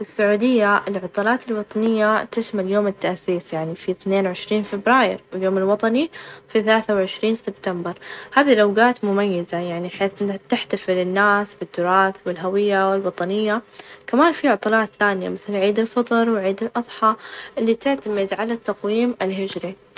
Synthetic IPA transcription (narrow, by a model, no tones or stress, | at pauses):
fɪsːʊʕuːd̪ɪjːaʔɪlʕʊt̪ˤɑlɑːt̪ɪlwɑt̪ˤɑnɪjːat̪ɪʃmaljoːmɪt̪ːaʔsiːsjaʕnifiθneːnwʕɪʃɾiːnfɪbɾaːjɪ̰ɾwɪljoːmɪlwɑt̪ˤɑnifiθalaːθawʕɪʃɾiːnsɪb̚t̪ambɑɾˤhaːðilʔawɡaːt̪mʊmajːɪzajaʕniħeːθnt̪ɪħt̪afɪlɪnːaːsbɪt̪ːʊɾˤɑːθwɪlɦawɪjːawɪlwɑt̪ˤɑnɪjːakamaːnfiʕʊt̪ˤɑlɑːt̪θaːnɪja̰mɪθlʕiːd̪ɪlfɑt̪ˤɨɾwɪʕiːd̪ɪlʔɑðˤħɑʔɪlːit̪ɪʕt̪amɪd̪ʕalat̪ːɑqwiːmɪlɦɪd͡ʒɾi